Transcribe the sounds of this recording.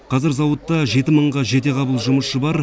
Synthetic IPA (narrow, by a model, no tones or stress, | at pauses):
qʰɑzɪɾzɑwətt̪ːɑʒe̞t̪ɪməɴʁɑʒe̞t̪e̞qʰɑbəlˠʒʊməsʃəbɑɾ